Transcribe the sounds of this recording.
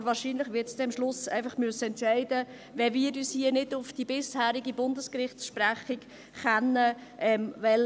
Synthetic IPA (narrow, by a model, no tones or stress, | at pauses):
vɑːɾʃiːnlɪχʋɪtt͡ssd̥ɛmʃlʊsɛ̰ɪfɑχmʉəsːəɛntʃɛɪdə | vɛviːɾyːshiənɪdʊfd̥ibɪshæːɾiɡibʊndəskɾɪχtsʃpɾæχɪk | χɛnːəʔɛmvɛl